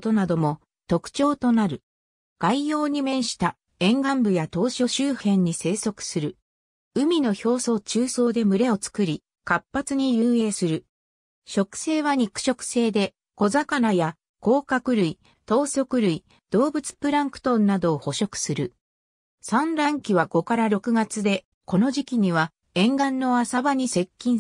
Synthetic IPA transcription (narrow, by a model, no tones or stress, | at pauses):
t̪o̞nad̪o̞mo̞ | t̪o̞kɯ̟̥t͡ɕo̞ːt̪o̞naɾɯ̟ | ɡ̥aijo̞ːɲ̟imẽ̞ɰ̃ɕi̥t̪a | ẽ̞ŋɡãmbɯ̟jat̪o̞ːɕo̞ɕɨːhẽ̞ɲ̟ːise̞ːso̞kɯ̟̥sɨɾɯ̟ | ɯ̟mʲino̞ço̞ːso̞ːt͡ɕɨːso̞ːd̪e̞mɯ̟ɾe̞o̞t͡sɨ̥kɯ̟ɾʲi | kapːat͡sɨɲ̟ijɯ̃ːe̞ːsɨɾɯ̟ | ɕo̞kɯ̥se̞ːβaɲ̟ikɯ̟̥ɕo̞kɯ̥se̞ːd̪e̞ | ko̞zakanaja | ko̞ːkakɯ̟ɾɯ̟i | t̪o̞ːso̞kɯ̟ɾɯ̟i | d̪̥o̞ːbɯ̟t͡sɨ̥pɯ̟ɾãŋkɯ̟̥t̪õ̞nːad̪o̞ːho̞ɕo̞kɯ̟̥sɨɾɯ̟ | sãnɾãŋkʲiβaɡ̥o̞kaɾaɾo̞kɯ̟ɡat͡sɨd̪e̞ | ko̞no̞ʑikʲiɲ̟iβ̞a | ẽ̞ŋɡãnːo̞asabaɲ̟ise̞kʲːĩɰ̃